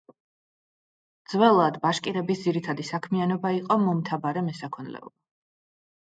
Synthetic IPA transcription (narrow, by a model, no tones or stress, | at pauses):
d̪z̥vɛlˠad̪baʃkʼiɾɛbisd̪z̥iɾit̪ʰad̪isakʰmianɔbaiqʼɔmɔmt̪ʰabaɾɛmɛsakʰɔnlɛ̰ɔ̰ba